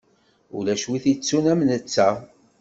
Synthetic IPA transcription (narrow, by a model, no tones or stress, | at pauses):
ṵlæʃwiθit͡sːunæmnət͡sːæ